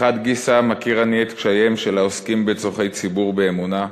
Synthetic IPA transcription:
ad̪ɡisamakiʁaniet̪kʃajemʃelaoskimbet͡soχe̞jt͡sibuʁbeːmuna

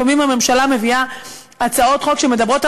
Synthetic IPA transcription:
amimhame̞mʃalame̞via | at͡sao̞t̪χo̞kʃe̞me̞d̪abʁo̞t̪a

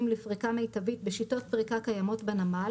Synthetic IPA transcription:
mlefʁikamejt̪avit̪beʃito̞t̚pʁikakajamo̞tbenama

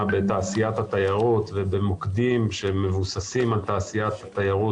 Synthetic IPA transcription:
be̞t̪aːsijat̪hat̪ajaʁot̪vebemokd̪imʃemevusasimalt̪aːsijat̪hat̪ajaʁu

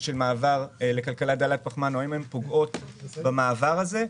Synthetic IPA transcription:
ʃelmaːvaʁle̞kalkalat̚d̪alat̚paχmanoimempoɡo̞tbamaːvaʁaze̞

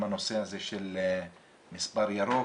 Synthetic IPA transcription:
manosehazeʃel | misbaɾjaɾo

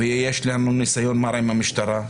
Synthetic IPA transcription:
ejjeʃlanunisajonmaɾaimamiʃt̪aɾa

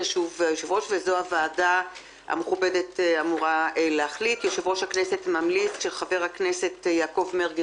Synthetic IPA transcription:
ʃuvjoʃevʁo̞ʃvezohavaːda | a̰meχube̞detamuʁaleaχlitjoʃevʁo̞ʃhaknese̞tmamlit͡sʃeχave̞ʁhakne̞se̞tjaːko̞vmeʁɡ

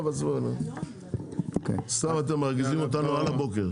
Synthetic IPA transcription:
basbono̰ | ksamat̬emaʁɡizimot̬anualabokeʁ

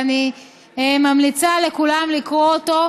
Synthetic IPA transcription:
ni | emamlit͡sale̞kulamlikʁooto̞

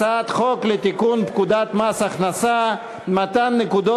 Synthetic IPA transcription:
at̪χɔklet̪ikunpkud̪at̪masaχnasa | mat̪anːɪkud̪ɔ

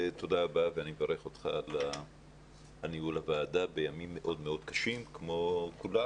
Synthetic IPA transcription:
to̞daːbaveanimevaʁe̞χo̞t̪χa̰la | aniulavaːdabe̞jamimːeʔo̞dmeo̞dkaʃimkmo̞kula

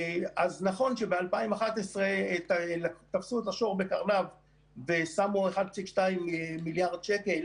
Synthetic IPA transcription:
aznaχo̞nʃe̞bealpaimaχat̪esʁelat̪afsuet̪aʃo̞ʁbe̞kaʁlav | vesamueχad̪̚t͡sikʃtaimːiljaʁd̪̚ʃekel

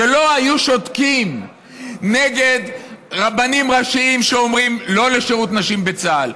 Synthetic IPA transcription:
elo̞ajuʃo̞t̪kim | ne̞ɡed̪ʁabanimʁaʃiimʃeomʁimlo̞le̞ʃeʁut̪naʃimbe̞t͡sal

